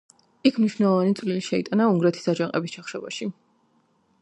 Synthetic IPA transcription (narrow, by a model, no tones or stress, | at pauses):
ikʰmniʃwnɛlˠɔvanit̪sʼliliʃɛit̪ʼanauŋɡɾɛt̪ʰi̥sad͡ʒaŋqʼɛbist͡ʃʰaχʃɛba̰ʃi